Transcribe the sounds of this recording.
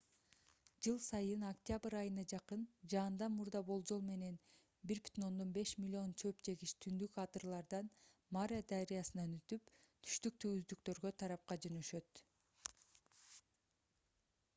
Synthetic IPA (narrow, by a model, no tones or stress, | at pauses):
d͡ʒɯlˠsɑjɯnokt̪ʲɪjabɨɾɑjɯnɑd͡ʒɑqɯnd͡ʒɑːnd̪ɑmuɾd̪ɑbo̞lˠd͡ʒo̞lˠme̞ne̞n | biɾby̥t̪ʰino̞nd̪o̞nbe̞ʃmʲilʲːio̞nt͡ʃʰø̞pt͡ʃe̞ɡiʃt̪ʰynd̪ykɑt̪ɯrlˠɑɾd̪ɑnmaɾʲad̪aɾijɑsɯnɑnyt̪ypt̪ʰy̥ʃt̪yk̚t̪yɡyzd̪ykt̪ø̞ɾɡø̞t̪ʰɑɾɑp̚qɑd͡ʒø̞nøʃø̞t̪